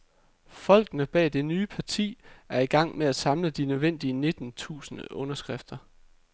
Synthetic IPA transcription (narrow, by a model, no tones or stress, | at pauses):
fɒ̽l̰ɡ̥nəb̥ɛ̰ːd̥e̝nyːpʰɑ̈t͡sʰḭːæɐiɡ̥ɑ̈ŋ̰meæ̥sɑ̈mləd̥inøðˠʋen̰d̥iəne̝d̥n̩t͡sʰṵːsənəʔɔ̽nɐsɡ̥ʁafd̥ɐ